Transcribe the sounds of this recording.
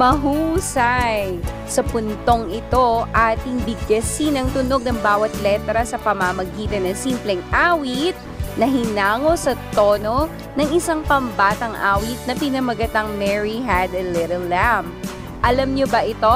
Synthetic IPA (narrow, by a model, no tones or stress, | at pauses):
mɐɦuːsɐj | sɐpʊnt̪o̞ŋɪt̪o̞ʔaːt̪ɪŋbɪɡɐsinɐŋt̪ʊno̞ɡ̚nɐŋbaːwɐt̪̚lɛt̪ɾɐsɐpɐmɐmɐɡiːt̪ɐnɐsimplɛŋʔaːwit̪̚nɐɦɪnaːŋo̞sɐt̪o̞ːno̞ | nɐŋɪsɐŋpɐmbaːt̪ɐŋʔa̰ːwɪt̪̚nɐpɪnɐmɐɡɐt̪ɐŋmɛɹiɦad̪ɐlɪɾɛlːam | ʔɐlɐmɲobɐʔɪt̪o̞